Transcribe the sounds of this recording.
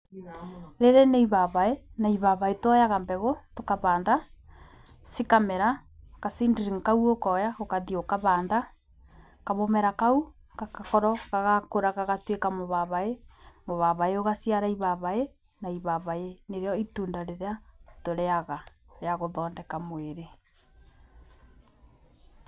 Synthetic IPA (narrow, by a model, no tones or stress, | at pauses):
ɾeɾeneiβaβaenaiβaβaetɔjaɣambɛɣotokaβaːnda | sikamɛɾakasiːndiɾiŋkauokɔːjaɣokaðiokaβaːnda | kaβomɛɾakau | kakakɔɾɔɣaɣakoɾaɣaɣatwekamoβaβaemoβaβaeoɣasiaɾaiβaβae | naiβaβaeneɾeɔituːndaɾeɾeatoɾɛaɣa | jaɣoðɔːndɛkamweɾe